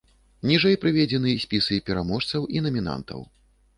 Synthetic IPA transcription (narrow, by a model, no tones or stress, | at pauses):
nʲiʐɛjpɾɨvʲɛd͡zʲɛnɨsʲpʲisɨpʲɛɾamɔʂt̪sɐwʔinɐmʲina̰nt̪ɐ̰w